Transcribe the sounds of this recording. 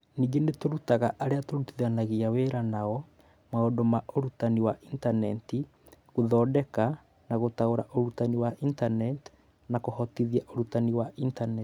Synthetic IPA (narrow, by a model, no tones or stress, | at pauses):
niːŋɡenetoɾutaɣaʔaɾeatoɾutiðanaɣiaweɾanaɔ | maodomaʔoɾutaniwaʔintanɛti | ɣoðɔːdɛka | naɣotaoɾaʔoɾutaniwaʔintanɛt | nakohɔtiðiaʔoɾutaniwaʔintanɛt